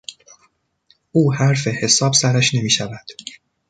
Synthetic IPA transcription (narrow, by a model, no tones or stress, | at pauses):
ʔuːhæɾfe̞he̞sɒːbsæɾæʃne̞miːʃævæd̪̥